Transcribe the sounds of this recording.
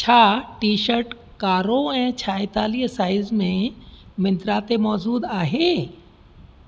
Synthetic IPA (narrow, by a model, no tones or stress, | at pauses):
t͡ʃʰaːʈiːʃəɾʈ | kaːɾõɛ̃t͡ʃʰaːet̪aːlijsaːɪzmẽmɪ̃nt̪ɾaːt̪emɔːzuːd̪aːɦe